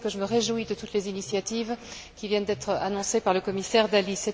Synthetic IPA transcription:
kəʒəməʁeʒwid̪ət̪ut̪lezinisjat̪ivkʲivjɛnd̪ɛt̪χanɔ̃sepaʁləkɔmisɛʁd̪alisɛ

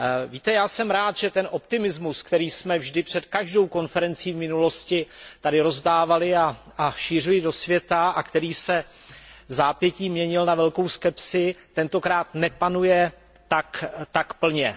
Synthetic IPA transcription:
viːt̪ɛjaːsɛmɾaːt̪ʒ̥ɛt̪ɛnʔo̞pt̪ɪmɪzmuskt̪ɛɾiːsmɛvʒdɪpr̝̥ɛt̪kaʒdo̞wko̞nfɛɾɛnt͡siːvmɪnulo̞scɪt̪adɪɾo̞zdaːvalɪaaʃiːr̝ɪlɪdo̞svjɛt̪aakt̪ɛɾiːsɛ | vzaːpjɛciːmɲɛɲɪlnavɛlko̞wskɛpsɪt̪ɛnt̪o̞kɾaːt̪nɛpanujɛ | t̪akt̪akpl̩ɲɛ

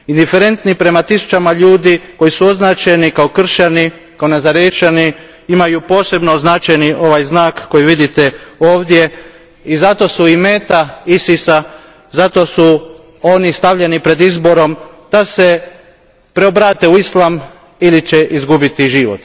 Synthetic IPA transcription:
ind̪ife̞ɾe̞nt̪nipɾe̞mat̪isu̥t͡ʃamaʎuːd̪iko̞jisuo̞znaːt͡ʃenikaokr̩ʃani | kaonazaɾjet͡ʃani | imajupo̞ːse̞bnoznat͡ʃajniʔo̞ʋajznaːkːo̞jiʋid̪it̪eo̞ːʋd̪je̞ | izat̪o̞suime̞ːt̪aisisa | zat̪o̞su | onist̪aʋʎenipɾe̞d̪izbo̞ɾo̞m | d̪̥ase̞ | pɾe̞obɾaːt̪e̞uislˠam | ilit͡ʃeʔizɡubit̪iʒiʋo̞̰t̪

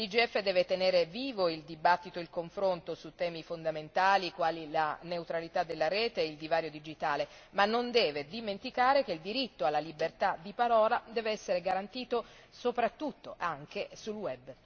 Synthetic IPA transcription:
lid͡ʒiɛfːed̪ɛːvet̪eneːɾeviːvoild̪ibat̪ːit̪oilkoɱfɾont̪osut̪ːɛːmifond̪ament̪aːlikwaːlilaneut̪ɾalit̪ad̪elːaɾɛːt̪eild̪ivaːɾjod̪id͡ʒit̪aːle | manːond̪ɛːved̪iment̪ikaːɾek̟eild̪iɾit̪ːoalːalibert̪ad̪ipaɾɔːlad̪ɛːveɛsːeɾeɡaɾant̪iːt̪o | sopɾat̪ːut̪ːoʔaŋkesulwɛb

